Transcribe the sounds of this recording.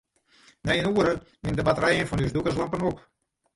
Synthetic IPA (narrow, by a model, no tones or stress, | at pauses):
nɛjənuəɾəmɪndəbatəɾɛjənfɔnysdukəslampənop